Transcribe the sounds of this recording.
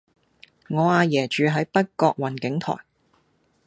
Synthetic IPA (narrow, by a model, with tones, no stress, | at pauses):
ŋɔː˨˧aː˨˧jɛː˨˩t͡ʃyː˨˧ɦɐ˨˥jpɐ˥t̚kɔː˧k̚wɐ˨˩nkɪ˨˥ŋt̪ʰɔ̰ː˨˩j